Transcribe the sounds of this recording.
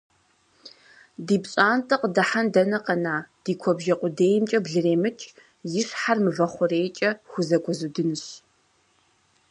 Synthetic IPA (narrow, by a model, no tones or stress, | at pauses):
diːpɕʼaːntʰɐqədɐħandɐnɐqɐnaːd̥iːkʷʰɔbʒɐqʷʼʊdeːjɪmt͡ʃʼɐbɮɨreːmɨt͡ʃʼ | jɪʂħarmɨvɐχʷʊreːjt͡ʃʼɐxʷʊzɐkʷʰʼɔzudɨnɨɕ